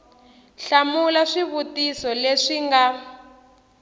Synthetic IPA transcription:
ɬamulaʂiβutisɔleʂiŋɡa

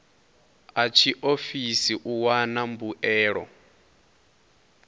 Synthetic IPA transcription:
at͡ʃʰiʔofisiʔuwanambuʔɛːɺɔ̰

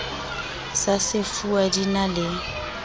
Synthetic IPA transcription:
sasɪfuadinalɪ

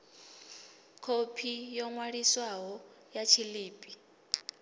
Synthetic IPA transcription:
kʰopʰijɔŋwaɺiswaɦɔjat͡ʃʰiliːpʼi

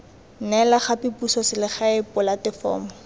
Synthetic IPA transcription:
nɛlaχapɪpusɔsɪlɪχaɪpɔlatɪfɔ̰ːmɔ

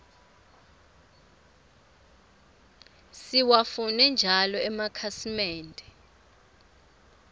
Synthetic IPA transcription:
siwafunɛnd͡ʒʱalɔɛmakʰasimɛːndʱʼɛ

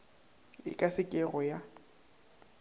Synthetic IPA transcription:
ɪ̰kʼasɪkʼɛrɔja

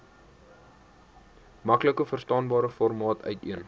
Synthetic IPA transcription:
mɐkləkəfərstɑːnbɑːɾəfɔrmɑːtʰœ̰ɥtiən

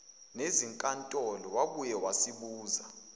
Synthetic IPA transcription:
neziŋkʼantʼɔlɔwaɓujɛwasiɓuːza

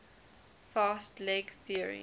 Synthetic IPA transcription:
fɑːstlɛɡθiəɹḭ

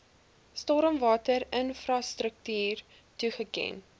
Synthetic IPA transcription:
stoːɾəmvɑːtəɾənfrɑstɾək̚tyːr | tuχəkɛ̰n

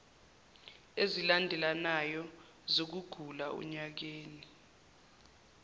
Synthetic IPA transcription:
ezilandʱɛlanajɔ | zok̬uɡ̥ʱulaṵɲak̬eːni

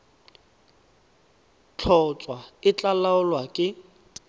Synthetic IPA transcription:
t͡ɬʰɔt͡sʼwaɪt͡ɬʼalaʊlwakʼɪ

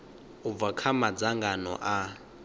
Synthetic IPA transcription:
ub̪vakʰamad͡zaŋɡanɔ̰ʔa

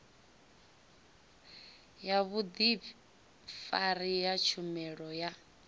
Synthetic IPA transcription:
jaβud̪i | faɾijat͡ʃʰumɛɺɔja

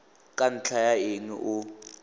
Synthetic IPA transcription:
kʼan̩t͡ɬʰajaiŋḭʔʊ

